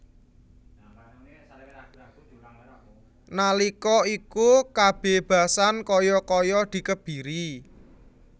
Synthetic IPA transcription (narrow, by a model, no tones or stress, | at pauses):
nalikɔikukab̥e̤b̥a̤sankɔjɔkɔjɔd̪̥i̤kəb̥i̤ɾi